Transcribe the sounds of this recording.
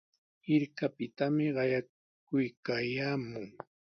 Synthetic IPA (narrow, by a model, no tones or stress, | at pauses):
ɪɾkapɪt̪amɪɢɑja | kʊjkaːjaːmʊŋ